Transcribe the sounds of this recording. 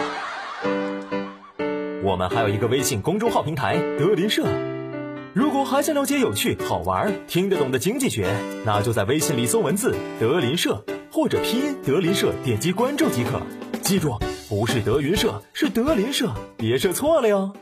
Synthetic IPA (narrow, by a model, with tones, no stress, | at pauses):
wɔ̰˨˩mə̰˦nxa˧˥ɪjo˨˩i˧˥ɡə˧we˥ɪɕi˥˩nkʊ˥ŋʈ͡ʂo˥ʊxɑ˥˩ʊpʰi˧˥ŋt̪ʰa˧˥ɪt̪ɤ˧˥li˧˥nʂɤ˥˩ | ɻu˧˥kwɔ˨˩xa˧˥ɪɕɑ˥˧ljt͡ɕjɛ˧˥jo˨˩ʊt͡ɕʰy˥˩xɑ˨˩ʊwɐ̰˧˥t̪ʰi˥ŋʈ͡ʂə˧˩t̪ʊ˨˩ŋd̪ə˦t͡ɕi˥ŋt͡ɕi˥˩ɕɥɛ˧˥na̰˥˩t͡ɕjo˥˧ʊt͡sa˥˩ɪwe˥ɪɕi˥˩ŋli˧˥so˥ʊwə˧˥nt͡sɹ̩˥˩t̪ɤ˧˥li˧˥nʂɤ˥˩xwɔ˥˩ʈ͡ʂɤ˨˩pʰi˥t̪ɤ˧˥li˧˥nʂɤ˥˧t̪jɛ˨˩nt͡ɕi˥kwa˥nʈ͡ʂʊ˥˩t͡ɕi˧˥kʰɤ̰˨˩˦t͡ɕi˥ʈ͡ʂwʊ˥˩pu˧˥ʂɻ̩˥˩t̪ɤ˧˥y˧˥nʂɤ˥˩ʂɻ̩˥˩t̪ɤ˧˥li˧˥nʂɤ˥˩pjɛ˧˥ʂɤ˥˧t͡sʰwɔ˥˩lə˧ja˧